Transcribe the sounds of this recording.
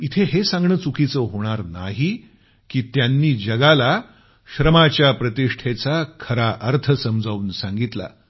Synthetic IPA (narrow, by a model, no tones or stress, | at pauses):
it̪ʰeɦesãŋɡɳət͡sukʰit͡səɦoɽ̃aɾna̰ɦi | kiːt̪janːiːd͡ʑəɡala | ɕɾəmat͡ɕjapɾət̪iʂʈʰet͡sakʰəɾaʔəɾt̪ʰəsəmd͡zauːnsaŋɡit̪la̰